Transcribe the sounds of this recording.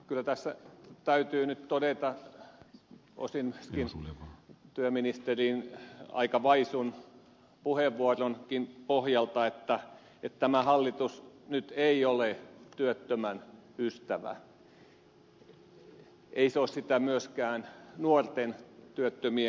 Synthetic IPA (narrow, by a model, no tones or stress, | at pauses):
kylːˑæt̪æsːæt̪æyt̪yːnyt̪t̪odet̪ɑ | o̰sinmyøskin | t̪yøminist̪erinɑ̰ikɑʋɑisun | puheʋʋuoronkinpohjɑlt̪ɑet̪ːæ | et̪t̪æmæhɑlːit̪usnyt̪eiolet̪yøt̪ːømænyst̪æʋæ̰ | eiseoːssit̪æmyøskæːnnuort̪ent̪yøt̪ːømie